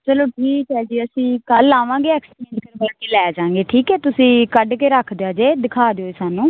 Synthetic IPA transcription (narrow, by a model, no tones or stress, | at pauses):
t͡ʃəloːʈʰiːkɦɛːd͡ʒiːəsĩːkəlːaːʋãːɡeːɛːksʈẽnʈnbaːkeːlɛːd͡ʒãːŋɡeːʈʰiːkɦɛːt̪ʊsĩːkəɖkeːɾəkʰd̪eaːd͡ʒeːd̪ɪkʰaːd̪eoːeːsaːnũː